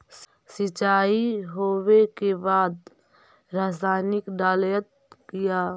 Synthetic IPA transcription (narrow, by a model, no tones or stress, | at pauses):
sɪt͡ʃaːiɦoːwekebaːd̪ | ɾaːsaːnɪkɖaːljət̪̚ | kɪjaː